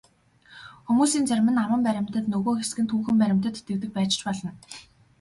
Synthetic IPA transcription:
xumuːsiːnt͡sæɾʲmɘ̆nawə̆mpæɾʲɪ̆m̥ʲt̪ə̆t̪nɵɣoːxesɡɘ̆nt̪ʰuːŋxɘ̆mpæɾʲɪ̆m̥ʲt̪ə̆t̪ːewt̪ɘ̆k̚pæːt͡ɕt͡ɕpɔɮɞ̆n

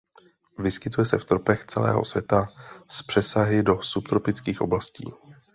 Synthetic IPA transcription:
vɪskɪt̪ujɛsɛft̪ɾopɛxt͡sɛlɛ̰ːɦo̰svjɛt̪aspr̥ɛsaɦɪdo̞supt̪ɾopɪt͡skiːxʔo̞blascḭː

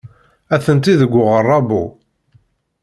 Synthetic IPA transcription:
æθənt̪iðəɡʷːʊʁərˤːɑbṵ

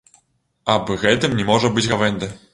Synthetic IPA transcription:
abɨɣɛt̪ɨmnʲɛmɔʐɐbɨd͡zʲɣavɛnʲd̪ɐ

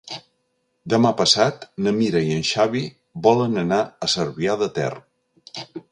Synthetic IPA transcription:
d̪əmapəsat̪nəmiɾəiənʃaβi | βɔlənənaəsəɾβiaðət̪ɛ̰r

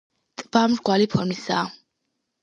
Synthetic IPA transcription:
t̪ʼb̥amɾɡwalipʰɔɾmisaː

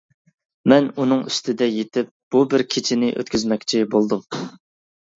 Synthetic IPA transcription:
mɛnunɨŋyst̪ʰɪd̪ɛjet̪ʰɪp̚b̥ubɪɾkʲʰet͡ʃʰɪnɪʔø̰t̪kʲʰyzmɛkʲt͡ʃʰɪbolˠd̪um

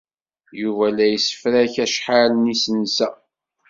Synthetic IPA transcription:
juvælæjəsə̥fɾæçæʃħalənisənsæ

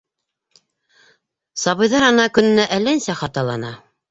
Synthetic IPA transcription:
sɑβɤ̆jðɑɾɑnɑkɵ̆nɘ̆næʔælænsæχɑt̪ɑlˠɑnɑ

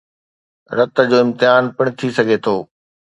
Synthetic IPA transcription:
ɾɐt̪ə̆d͡ʑoːɪ̃mt̪ɪɦaːnpɐɽ̃ʊt̪ʰisɐɡʱet̪ʰoː

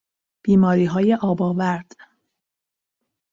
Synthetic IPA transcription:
b̥iːmɒːɾiːɦɒːjeʔɒːbɒːvæɾd̪̥

